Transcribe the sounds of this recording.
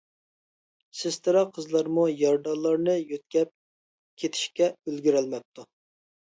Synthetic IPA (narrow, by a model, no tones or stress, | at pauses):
sɪst̪ʰɨɾɑqʰəzlˠɑɾmujɑɾd̪ɑnlˠːɑɾnɨjøt̪̚kʲɛp̚ | kʲʰet̪ʰɪ̥ʃkʲɛølɡʲyɾɛlmɛp̚t̪ʰːu